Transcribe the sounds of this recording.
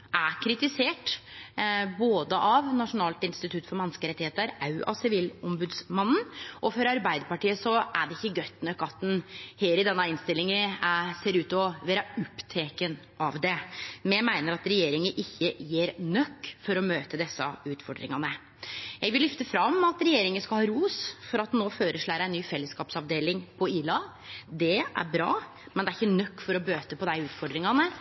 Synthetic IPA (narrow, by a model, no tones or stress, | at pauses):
ʔækʰɾɪt̪ɪseːʈ | boːd̪əʔɑʋnɑʂʊnɑːlt̪ɪnst̪ɪt̪ʰʉt̪ːfɔɾmɛnskəɾɛt̪ːɪheːt̪əɾɑʉʔɑ̰ʋsɪʋiːlɔmbʉːd̪smɑnn̩ʔɔfɔɾɑɾbæɪd̪əɾpɑʈiːəsɔʔæɖɛɪçːəɡœt̪ːnœkːɑt̪̚d̪ɛnheːɾɪd̪ɛnːɑɪnst̪ɪlːɪŋəseːɾʉːt̪ɔʋæːɾəʊpːt̪ʰeːkən | ʔɑʋd̪ɛmɛmæɪnəɾɑt̪ɾɛjeːɾɪŋəʔɪçːəjiːɾnœkːfɔɾɔmøːt̪əd̪ɛsːɑʉːt̪fɔ̰ɖɾɪ̰ŋɑnə | jɛɪɡʋɪllʏft̪əfɾɑmɑt̪ɾɛjeːɾɪŋənskɑlhɑːɾuːsfɔɾɑt̪noːføːɾəʂɭæːɾəæɪnyːfɛlːəskɑːpsɑʋd̪eːlɪŋpʰɔiːlɑ | d̪ɛæ̰ɾbɾɑ̰ː | mɛnd̪ɛæɾɪçːənœkːfɔɾɔbøːt̪əpʰɔd̪æɪʉːt̪fɔɖɾɪŋɑnə